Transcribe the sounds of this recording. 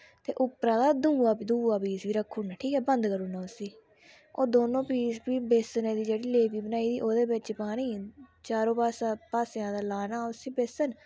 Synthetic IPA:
t̪ḛːʔʊpɾãːd̪aːd̪ũːaːd̪ũːaːpiːsbiːɾəkʰːuːnaːʈʰiːkɛːbənd̪kəɾuːnaːʊsiː | oːd̪oːnõːpiːsbiːbeːsnẽːd̪iːd͡ʒeːɽiːleːpiːbənaːiːd̪iːʔoːd̪eːbɪt͡ʃpaːniːt͡ʃaːɾõːpaːsaːpaːsjãːd̪aːlaːnaːʊsĩːbeːsən

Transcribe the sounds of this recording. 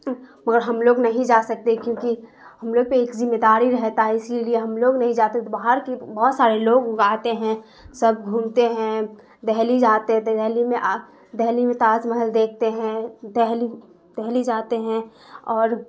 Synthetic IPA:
məɡəɾɦɐmloːɡnɐɦĩd͡ʒaːsək̚t̪ekjõːki | hɐmloːɡ̚peeːkzɪmːed̪aːɾiɾɛɦt̪aɦɛɪselieɦɐmloːɡnɐɦĩd͡ʒaːt̪et̪obaːɦəɾkebɔɦt̪saːɾeloːɡaːt̪eɦɛ̃ | sɐb̚ʱɡʱũːmt̪eɦɛ̃ | d̪ɛɦlid͡ʒaːt̪eɦd̪ɛɦlimẽʔa | d̪ɛɦlimẽt̪aːzməɦəld̪eːk̚ʰt̪eɦɛ̃d̪ɛɦli | d̪̥ɛɦlid͡ʒaːt̪eɦɛ̃ | ɔːɾ

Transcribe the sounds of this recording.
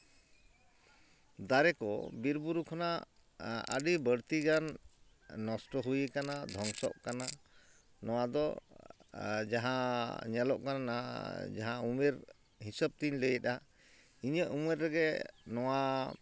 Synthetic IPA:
d̪aɾɛkɔ̰biɾbuɾukʰɔna | ə̰ɖibəɽt̪iɡanː | ɔsʈɔɦujəkanad̪ʱɔŋsɔ̰ʔkana | nɔw̃ad̪ɔ | d͡ʒaɦãɲɛlɔʔkananad͡ʒaɦãumɛɾ | ɦisəb̚t̪iɲləjət̪a | iɲəʔumɛɾːɛɡɛnɔwa

